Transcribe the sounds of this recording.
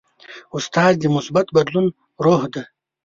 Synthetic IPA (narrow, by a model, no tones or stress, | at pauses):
ust̪ɑːzd̪imʊsbat̪bɐd̪lun | ɾoːhd̪a